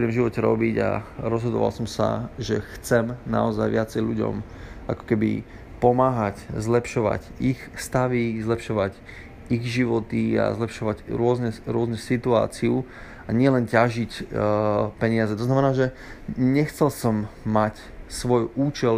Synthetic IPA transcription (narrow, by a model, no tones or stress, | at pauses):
ɾimʒiʋɔcɛɾɔ̰biɟa̰ɾɔzɦɔd̪ɔ̰ʋa̰lsɔmsa̰ʒɛxt͡sɛmna̰ɔzajʋɪat͡sɛjʎuɟɔ̰mʔakɔ̥kɛbḭ | pɔmaːɦaczlɛpʃɔʋa̰ɟixst̪aʋizlɛpʃɔʋac | iɣʒiʋɔt̪ia̰zlɛpʃɔʋaɟɾʊɔznɛɾʊɔznɛsit̪ua̰ːt͡siu | aɲɪɛlɛncaʒic | pɛɲɪazɛt̪ɔznamɛnaːʒɛ | ɲɛxt͡sɛlsɔmːac | sʋɔjuːt͡ʃɛ